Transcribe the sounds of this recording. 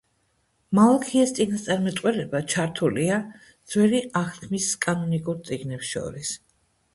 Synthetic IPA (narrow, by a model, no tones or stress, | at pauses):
malˠakʰiast̪sʼiɡnast̪sʼaɾmɛt̪ʼqʼwɛlɛbat͡ʃʰaɾt̪ʰulia | d̪z̥wɛliʔaχt̪kʰmiskʼanɔnikʼuɾt̪sʼiɡnɛpsʃɔ̰ɾis